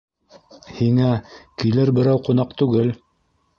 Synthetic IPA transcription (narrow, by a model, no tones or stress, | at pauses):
hiŋækilɘɾbɘ̆ɾæwqŏnɑqt̪ʉɡɘl